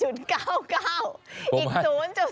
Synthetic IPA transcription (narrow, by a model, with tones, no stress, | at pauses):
u˧˩tkaː˧˩wkaː˧wi˨˧o˨˦nt͡ɕɔ˧